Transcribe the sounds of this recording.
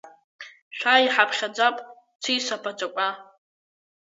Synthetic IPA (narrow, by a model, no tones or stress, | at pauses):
ʃʷᶣaiħapʰχʲad͡zapʼ | t͡sʰisapʰat͡ʃʷʼakʷʼa